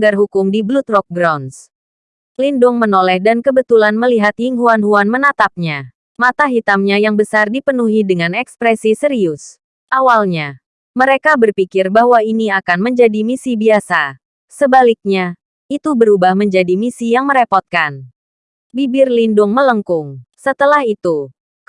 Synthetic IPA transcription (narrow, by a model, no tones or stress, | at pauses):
aɡarɦukʊmdiblut̪rɔk̚bɾawns | lindʊŋmənolɛhdankəbət̪ulanməliɦat̪hiŋɦuanɦuanmənat̪ap̚ɲa | mat̪aɦit̪amɲajaŋbəsardipənuɦidəŋanɛkspɾɛsisəɾiʊs | ʔawalɲa | məɾekabərpikɪrbaɦwainiakanməɲd͡ʒadimisibiasa | səbalik̚ɲa | it̪ubəɾubahməɲd͡ʒadimisijaŋməɾepɔt̪̚kan | bibɪrlindʊŋmələŋkʊŋsət̪əlahit̪u